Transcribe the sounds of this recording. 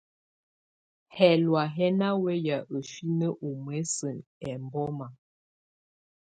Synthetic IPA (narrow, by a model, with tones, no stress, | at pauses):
hɛ˨lwa˨ɦɛ˦na˦wɛ˦ja˨ʔə˨ʃi˦nə˦ʔu˨m˨ɛ˨˦sə˨nɛ˨m˨bɔ˦ma˨